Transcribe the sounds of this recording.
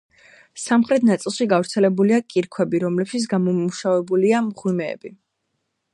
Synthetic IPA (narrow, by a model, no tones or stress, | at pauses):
samχɾɛt̪ʰnat̪sʼilˠʃiɡavɾt̪sʰɛlɛbuliakʼiɾkʰwɛbiɾɔmlɛpʃit̪s̬ʰɡamɔmuʃavɛbuliamʁwimɛ̰ːbi